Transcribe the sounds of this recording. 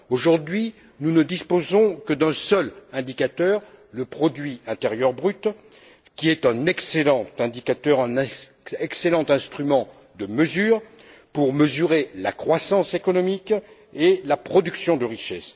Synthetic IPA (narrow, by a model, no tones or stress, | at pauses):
oʒuʁd̪ɥi | nunəd̪ispozɔ̃kəd̪ɛ̃sœlɛ̃d̪ikat̪œʁləpχɔd̪ɥiɛ̃t̪eʁjœʁbʁyt̪ | kʲiɛt̪ɛ̃nɛkselɑ̃t̪ɛ̃d̪ikat̪œʁɛ̃nɛ̃ | ɛkselɑ̃t̪ɛ̃st̪χymɑ̃ | d̪əməzyːʁ | puʁməzyʁela̰kχwasɑ̃sekɔnɔmik | elapχɔd̪yksjɔ̃d̪əʁiʃɛs